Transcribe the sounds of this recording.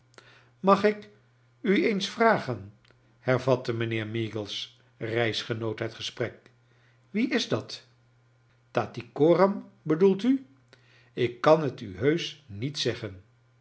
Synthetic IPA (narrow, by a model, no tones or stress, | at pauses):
mɑχɪk | yejnsfraːχən | hɛɹvɑtəmənɪːɹmiːɡəlˠs | rɛjsχənowtɦətχəsprɛk̚ | ʋiɪzdɑt | taːtikoːrəmbədulˠty | ɪkːɑnɦətyɦøɥsnitsɛχən